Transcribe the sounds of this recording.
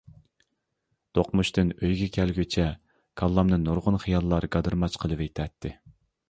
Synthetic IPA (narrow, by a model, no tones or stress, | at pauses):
t̪ʰoqmuʃt̪ynøjɡʲɛkʲʰɛlɡʲøt͡ʃʰɛ | kʰɑlˠːɑmnɨnːoɾʁʊnχijɑlˠːɑɾɡɑd̪ɨɾmɑt͡ʃqʰəlˠɨvejt̪ʰɛt̪ʰːɪ